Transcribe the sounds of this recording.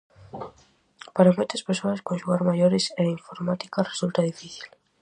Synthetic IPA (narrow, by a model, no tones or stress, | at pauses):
paɾamojt̪ɐspeɾsoɐskõnʃuɣaɾmaʎoɾɪseiɱfoɾmat̪i̥karesult̪aðifiθi̥l